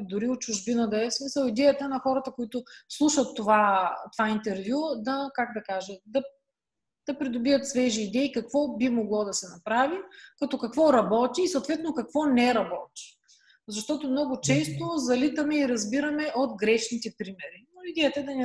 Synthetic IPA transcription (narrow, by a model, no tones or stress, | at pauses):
d̪ʊɾiot̪̚t͡ʃʊʒbinəd̪ɐɛsmisəlˠid̪ɛjət̪ɐnɐxɔɾɐt̪əkoit̪ʊslˠuʃət̪ːovat̪ovaint̪ɛɾvjud̪ɐkaɡ̚d̪ɐkaʒɛd̪ɐ | d̪̥ɐpɾid̪ʊbiət̪svɛʒiːd̪ɛikɐkvɔbimoɡlˠɔd̪ɐsɛnɐpɾavikɐt̪ɔkɐkvɔɾɐbɔt̪iːsɐoːt̪vɛt̪nokɐkvɔnɛɾɐbɔt̪ʲi̥ | zɐʃt̪ɔt̪omnɔɡʊt͡ʃɛst̪ozɐlit̪ɐmɛiɾɐzbiɾɐmɛʔot̪ɡɾɛʃnit̪ɛpɾimɛɾinoid̪ɛjət̪əɛd̪ɐnɛ